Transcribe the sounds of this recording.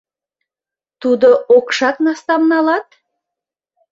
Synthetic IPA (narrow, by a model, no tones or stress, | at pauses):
t̪ud̪əʔokʃɑknɑst̪ɑmnɑlɑt̪